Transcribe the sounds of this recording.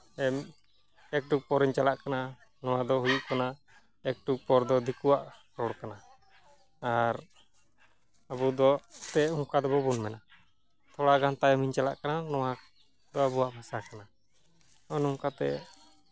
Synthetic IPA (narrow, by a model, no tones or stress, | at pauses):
ɛm | ɛk̚ʈuk̚pɔɾiɲt͡ʃalaʔkana | nɔwad̪ɔɦujuʔkana | ɛk̚ʈuk̚pɔɾd̪ɔd̪ikuwaʔ | ɾɔɽkanaː | ɾ | abud̪ɔt̪ɛuŋkad̪ɔbɔbunmɛna | t̪ʰɔɽaɡant̪aɛmiɲt͡ʃala̰ʔkananɔwa | d̪ɔabuwaʔbʱasakana | ɔnuŋkat̪ɛ̰